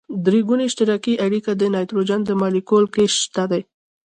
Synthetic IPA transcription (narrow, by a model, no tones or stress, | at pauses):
d̪ɾeɡuneɪʃt̪ɪɾɑkiʔaɽikad̪ənɑjt̪ɾod͡ʒand̪əmɑlikolkeʃt̪ad̪aj